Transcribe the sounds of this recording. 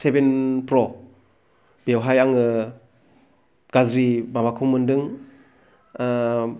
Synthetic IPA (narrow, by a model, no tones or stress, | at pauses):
sebenpɾɔ | b̥ewɦajaŋɯ | ɡ̥azɾimabakʰuŋmɯndɯŋ